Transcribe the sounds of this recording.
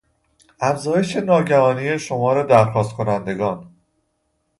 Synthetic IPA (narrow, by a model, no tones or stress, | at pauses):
ʔæfzɒːjeʃe̞nɒːɟæɦɒːniːje̞ʃo̞mɒːɾe̞d̪æɾxɒːst̪̚kʰo̞nænd̪e̞ɡɒːn